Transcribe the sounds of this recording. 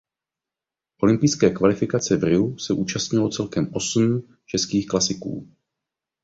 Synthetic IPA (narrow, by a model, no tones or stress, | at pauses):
ʔo̞lɪmpɪjskɛːkvalɪfɪkat͡sɛvrɪusɛʔuːt͡ʃast̪ɲɪlo̞t͡sɛlkɛmʔo̞sm̩ | t͡ʃɛskiːxklasɪkṵː